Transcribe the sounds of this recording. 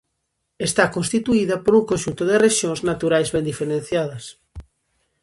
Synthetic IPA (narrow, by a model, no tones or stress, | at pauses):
est̪akõnst̪it̪uiðɐpoɾuŋkõnʃunt̪oðereʃjoŋznat̪uɾajzβẽnd̪ifeɾẽn̟θjað̞ɐs